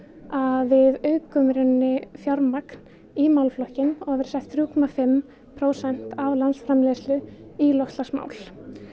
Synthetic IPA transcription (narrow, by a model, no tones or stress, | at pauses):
aðvɪðœːɥkœmɾɪnːɪfjaɾmakn̥ | imawlflɔhcɪnɔɣavɛɾ̥sɛht̪θɾuːkʰɔmafɪm | pʰɾoːwsɛn̥t̪avlansfɾamleːslʏilɔht̪lasma̰ːwl̥